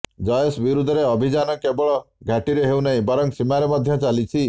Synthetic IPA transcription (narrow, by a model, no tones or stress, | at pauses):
d͡ʒɔjɔsbiɾud̪ʱɔɾeɔbʱid͡ʒanɔkebɔɭɔɡʱaʈiɾeɦewnaɦĩbɔɾɔŋsimaɾemɔd̪ʱjɔt͡ʃalit͡ʃʰi